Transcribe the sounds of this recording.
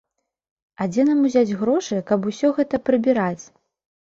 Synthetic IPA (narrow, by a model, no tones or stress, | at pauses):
ad͡zʲɛnamuzʲad͡zʲɣɾɔʂɨjkɐbusʲɔɣɛt̪ɐpɾɨbʲiɾat͡sʲ